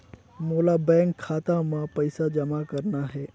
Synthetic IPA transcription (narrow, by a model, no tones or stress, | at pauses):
molabɛ̃ŋkʰːaːt̪amãpəjsad͡ʒəmakəɾnaɦɛ